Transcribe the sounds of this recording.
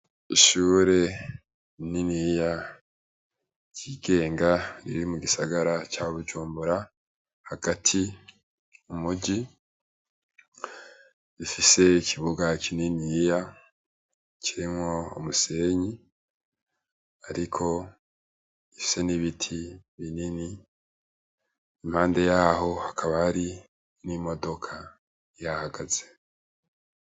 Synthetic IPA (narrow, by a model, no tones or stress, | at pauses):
iʃuːɾe̞ | ninija | ciɡe̞ːŋɡaɾiɾimuɡisaɡaɾat͡ʃaoβud͡ʒuːmbuɾa | haɡ̥atʰi | umuɟi | ifise̞ikʰiβuɡacininija | ciɾimŋwo̞o̰muse̞ɲi | aɾikʰo̞ | ifi̥se̞niβitʰiβinini | imhaːnde̞jaɦo̞hakʰaβahaɾi | nimo̞do̞kʰa | jahaɡaz̥e̞